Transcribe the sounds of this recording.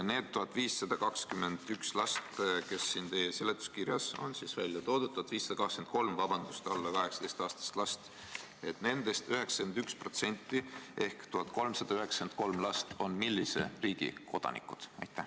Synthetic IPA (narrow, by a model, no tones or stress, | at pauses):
ne̞ːd̪t̪ːuɦɑt̪ːˑviːsːɑd̪̥ɑkɑkskyme̞nd̪̥ykslɑst̪ke̞sːint̪e̞ːjese̞let̪ːˑu̥skirjɑso̞̰nsiːsvælʲjɑt̪o̞ːd̪ud̪t̪ːuɑt̪viːsːɑd̪ɑkɑkskent̪̚ko̞lmvɑb̥ɑnd̪̥ust̪ɑlːɑkɑɦe̞ksɑd̪e̞jst̪ɑːst̪ɑ̥st̪lɑst̪ | e̞t̪ne̞nd̪e̞st̪yɦe̞ksɑ̥kend̪ykspro̞t̪se̞nʲt̪ːˑie̞hkt̪uɦɑt̪̚ˑko̞lmsɑd̪̥ɑyɦe̞ksend̪̥̚ko̞lmlɑst̪o̞nmilːiseriːɡ̥ḭko̞d̪ɑ̰nḭkːˑud̪̥ɑ̰jt̪ːæh